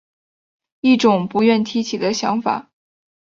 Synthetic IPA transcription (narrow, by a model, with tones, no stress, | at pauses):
i˥˩ʈ͡ʂʊ˨˩ŋpu˧˥ɥɛ˥˩nt̪ʰi˥t͡ɕʰi˨˩d̪ə˦ɕjɑ̰˧˥ŋfa̰˨˩˦